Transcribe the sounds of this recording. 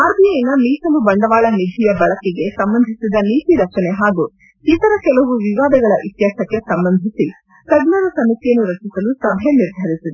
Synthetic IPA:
aːɾb̪ʱijɐjinɐmiːsɐlubɐɳɖɐʋaːɭɐnid̪ʱijɐbɐɭɐkiɡe̞sɐmbɐnd̪ʱisid̪ɐniːt̪iɾɐt͡ʃɐneɦaːɡu | it̪ɐɾɐkɛlɐʋuʋiʋaːd̪ɐɡɐɭɐʔit̪jaːsɐkːesɐmbɐnd̪ʱisi | kɐɡnɐɾɐsɐmit̪ijɐnːuɾɐt͡ʃisɐlusɐbʱɛjeniɾd̪ʱɐɾisid̪e

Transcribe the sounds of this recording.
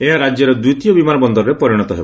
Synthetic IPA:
eɦaɾad͡ʒjɔɾɔd̪ut̪ijɔbimanɔbɔnd̪ɔɾɔɾepɔɾiɽ̃ɔt̪ɔɦebɔ

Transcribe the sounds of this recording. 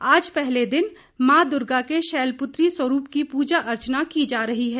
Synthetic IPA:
aːd͡ʒpɛɦled̪ɪn | mãːd̪ʊɾɡakeʃɛːlpʊt̪ɾiswəɾuːpkipuːd͡ʒaʔɐɾt͡ʃnakid͡ʒaːɾɐɦiɦɛː

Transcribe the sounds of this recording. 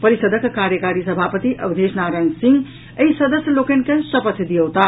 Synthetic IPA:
pəɾisəd̪ʱəkkaɾjəkaɾisəbʱapət̪iʔə̰bʱd̪ʱesnaɾansĩŋɡ | əisɐd̪əsjəlokenkẽsəpət̪ʰd̪ijəwt̪a

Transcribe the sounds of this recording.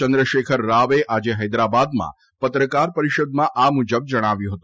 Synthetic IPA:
t͡ʃə̃nd̪ɾəʃekʰəɾːaʋeʔad͡ʒeɦəjd̪ɾabad̪mã̰ | pət̪ɾəkaɾpəɾiʃod̪mãʔamud͡ʒəb̚d͡ʒəɽ̃aʋjũɦət̪ũ

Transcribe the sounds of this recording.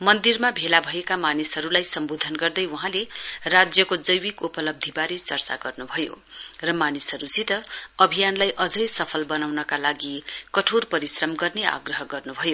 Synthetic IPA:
mʌnd̪irmabʱelabʱʌekamanisɦʌɾulajsʌmbod̪ʱʌnɡʌrd̪ʌjwuɦãlerad͡zjʌkod͡zʌjwikupʌlʌb̚d̪ʱibaɾit͡sʌrt͡sa̰ɡʌrnubʱʌjo̰ | rʌmanisɦʌɾud͡zit̪ʌːbʱijanlajʔʌd͡zʌjsʌpʰʌlbʌnawnʌkalaɡikʌʈʰorpʌɾisrʌmɡʌrnea̰ɡrʌɦʌɡʌrnubʱʌjo

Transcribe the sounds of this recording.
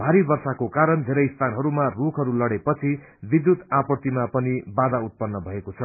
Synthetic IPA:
bʱaɾibʌrsakokaɾʌnd̪ʱeɾʌjst̪ʰanɦʌɾumarukʰɦʌɾulʌɽepʌt͡sʰi | bid̪jut̪apʌt̪imapʌnibad̪aut̪̚pʌnːʌbʱʌekot͡sʰʌ

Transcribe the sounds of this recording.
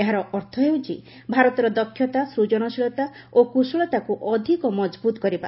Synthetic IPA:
eɦaɾɔʔɔɾt̪ʰɔɦewt͡ʃʰi | bʱaɾɔt̪ɔɾɔd̪ɔkʰːjɔt̪asɾud͡ʒɔɽ̃ɔsiɭɔt̪a | okusuɭɔt̪akuʔɔd̪ʱikɔmɔd͡ʒbut̪ɔkɔɾiba̰

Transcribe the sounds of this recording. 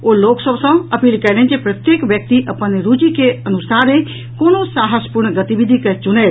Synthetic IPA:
oloːksəbsãɐpiːlkəlẽnd͡ʒepɾət̪jeːkʋjək̚t̪iʔəpənɾud͡ʒikeɐnusaːɾe | koːnosaːɦəspuɾnɡɐt̪ibid̪ʱikɛt͡ʃuneː

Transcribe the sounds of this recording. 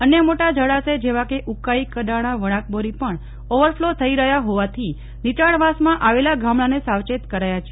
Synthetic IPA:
ənjəmoʈad͡ʒəɽased͡ʒeʋakeʔukaikədaɽ̃aʋəɽ̃ak̚boɾipəɳ | oʋəɾflot̪ʰəiɾəɦjaɦoʋat̪ʰi | nit͡ʃaɽʋasmãʔaʋelaɡʱamɭanesaʋt͡ʃet̪kəɾajat͡ʃʰee

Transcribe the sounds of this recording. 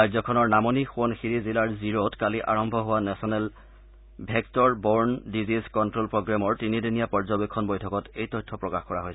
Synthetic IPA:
ajzɔkʰɔnɔɹnamɔnixuɔnxiɹizilaɹziɹotkaliʔaɹɔmbʱɔɦʊwanɛsɔnɛl | bʱɛktɔɹbɔɹndizizkɔntɹolpɹoɡɹamɔɹtinidinijapɔɹzɔbekʰːɔnbojtʰɔkɔtejtɔjtʰːɔpɹɔkaxkɔɹaɦojsɛ

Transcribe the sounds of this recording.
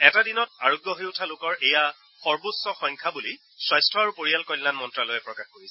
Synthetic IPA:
ɛtadinɔt̚aɹoɡjɔɦeʊtʰalʊkɔɹeja | xɔɹbosɔxɔŋkʰabuli | swajstʰɔaɹupoɹialkɔjlːanmɔntɹalojɛpɹɔkaxkoɹisɛ

